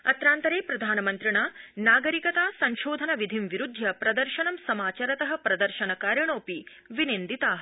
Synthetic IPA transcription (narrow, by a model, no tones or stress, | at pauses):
ɐt̪ɾaːnt̪ɐɾeːpɾɐd̪ʱaːnɐmɐnt̪ɾiɳaːnaːɡɐɾikɐt̪aːsɐɲʃoːd̪ʱɐnɐʋid̪ʱimʋiɾud̪ʱjɐpɾɐd̪ɐɾʃɐnɐmsɐmaːt͡ʃaɾɐt̪ɐɦɐ̆pɾɐd̪ɐɾʃɐnɐkaːɾjɐɳoːpi | ʋinend̪it̪aːɦɐ